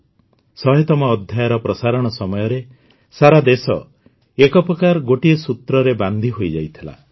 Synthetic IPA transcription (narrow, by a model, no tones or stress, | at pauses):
sɔɦet̪ɔmɔːd̪ʱjajaɾɔpɾɔsaɾɔɽ̃ɔsɔmɔjɔɾe | saɾad̪esɔ̰ | ekɔpɔkaɾɡoʈiesut̪ɾɔɾeband̪ʱiɦojd͡ʒajt̪ʰila̰